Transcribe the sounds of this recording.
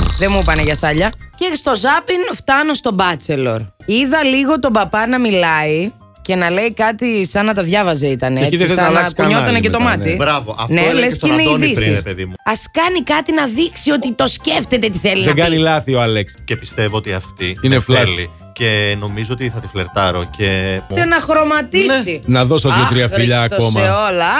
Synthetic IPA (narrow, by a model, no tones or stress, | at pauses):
ðemupɐneʝɐsɐʎɐcest̪o̞zɐpinft̪ɐno̞st̪o̞bɐt͡se̞lo̞ɾiðɐliɣo̞t̪o̞bɐpɐnɐmilɐi | ce̞nɐle̞ikɐt̪isɐnɐt̪ɐðʝɐvɐzeit̪ɐneiszsɐlɐɐskuɲot̪ɐnecet̪o̞mɐt̪ibɾɐvoʔɐfnnelesineiðisɾiseðimuɐskɐnikɐt̪inɐðiksio̞t̪it̪o̞sceft̪e̞t̪et̪iθelinðeɡɐnilɐθioɐlekscepist̪e̞voot̪iɐft̪iinefleli | ceno̞mizoot̪iθɐt̪ifleɾt̪ɐɾocet̪enɐxɾo̞mɐt̪insinɐðo̞sotjot̪ɾiɐfiʎɐːkoomɐeolɐ